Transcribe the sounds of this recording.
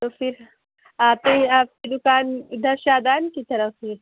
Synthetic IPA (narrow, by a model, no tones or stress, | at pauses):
t̪oːfɪɾ | aːpeaːp̚kid̪ʊkaːnd̪ɐɾʃaːd̪aːnkit̪ɐɾəfːɪɾ